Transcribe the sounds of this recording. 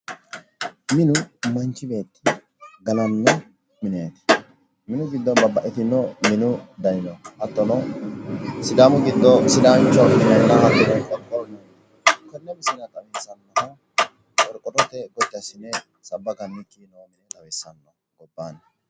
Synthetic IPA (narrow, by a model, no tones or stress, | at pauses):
mɪnʊmɐnt͡ʃːɪbe̞ːt̪ːɪ̥ | ɡɐnɐnːɛ | mɪneːt̪ɪ̥ | mɪnʊɡɪd̪ːɔnbɐbːɐʔɛt̪ɪnːɔmɪnʊd̪ɐjɪnɔhɐt̪ːɔnɔ | sɪd̪aːmʊɡɪd̪ːɔsɪd̪aːnt͡ʃːɔɪnɐnːɐhɐt̪ːɔd̪ɐnkɔɾkːɔnːɛ | kɔnːɛbɪsɪnɐt̪ʼɐwesɐnːɔhɐ | ɔɾkʼːɔt̪ɔt̪ɛɡɔt̪ːɪɐsɪnːɛ | sɐbːɐɡɐnːɪkʼːinomɪnɛt̪ɐwɛsːɐnːɔ | ɡɔbːanɐ